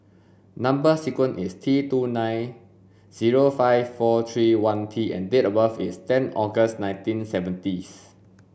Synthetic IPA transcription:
nãmbəsɛkwə̃nʔistʰɹitunãj̃n | z̥iɹofaɪvfɔt̪ʰɹiwãnt̪ʰiɛ̰̃ndetəbafistɛ̃nɔɡəsnãj̃ntĩnsɛvə̃ntis

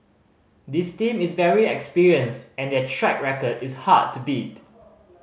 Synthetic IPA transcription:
distĩmɪsvɛɹiɛkspiɹiə̃nstɛ̃ndɛtʰɹɛk̚ɹɛkədɪsha̰d̚tʰubit

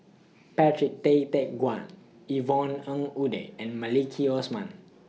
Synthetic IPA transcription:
pɛtɹik̚t̪et̪ɛk̚ɡwãn | ivɔ̃nə̃ŋudḛɛ̃nmalikʰiɔsmã̰n

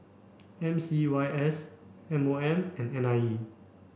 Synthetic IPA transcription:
ɛ̃msiwajʔɛs | ɛ̃moɛ̃mɛ̃nɛ̃naji

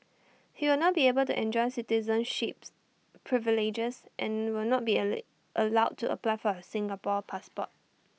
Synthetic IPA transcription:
hiwɪlnɔt̚biebəltṵʔɛ̃nd͡ʒɔɪsitizə̃nʃip | pʰɹivilid͡ʒəsʔɛ̃nwɪlnɔt̚bi | ʔəlaʊd̚tːuʔə̰plaɪfɔəsɪ̃ŋɡapɔpʰaspɔ̰t̚

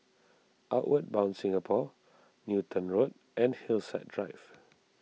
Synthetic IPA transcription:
ʔaʊʔwəd̚bãʊ̃nsɪ̃ŋapʰɔ | njutʰə̃nɹod̚ | ɛ̃nhilsɛ̰t̚dɹaɪv̥

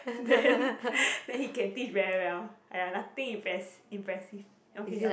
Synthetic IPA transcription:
d̪ɛ̃nd̪ɛ̃nhikɛ̃ntit͡ʃɹɛwɛlaanat̪ĩŋĩmpɹɛsĩmpɹɛsif | ɔ̃i

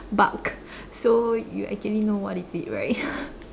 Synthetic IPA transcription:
ba̰k | sojṵʔɛ̰k̚t͡ʃuəlinowɔtisit̚ɹa̰ɪt̚

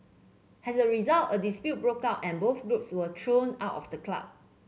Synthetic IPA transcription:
ʔɛsəɹizaltədispjut̚bɹokaʊtɛ̃nboθɡɹupswətʰɹõna̰ʊtɔ̰fdəkla̰p̚

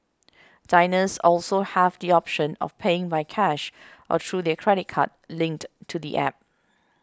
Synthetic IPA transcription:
d̥ãɪnəsɔlsohɛvdiɔpʃə̃nɔ̰fpʰeɪ̃ŋbaɪkʰɛʃʔɔ̰tʰɹudɛkʰɹɛɾɪt̚kʰa̰t̚lɪ̃ŋk̚ttʰːudḭʔɛ̰p̚

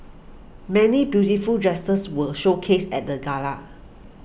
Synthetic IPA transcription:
mɛnibjutifuldɹɛstəswəlʃokʰesɛt̚dəɡala̰

